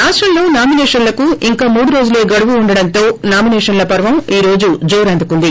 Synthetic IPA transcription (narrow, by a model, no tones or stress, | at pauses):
aːsʈɾɐmlo̞ːnaːminɛːʂɐnlɐkuiŋkaːmuːɽuɾo̞ːd͡ʒule̞ːɡɐɽuʋuːɳɖɐɽɐnt̪o̞ːnaːminɛːʂɐnlɐpɐɾʋɐmiːɾo̞ːd͡ʒud͡ʒoːɾɐnd̪ukund̪i